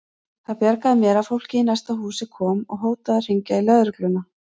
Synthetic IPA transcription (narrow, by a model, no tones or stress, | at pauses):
θaðpjɛɾkaðɪmjɛːɾafowl̥cɪinajst̪aɦuːsɪkʰɔːmɔ̰ɣɦoːwt̪aðar̥iɲcailœðɾʏklʏnːa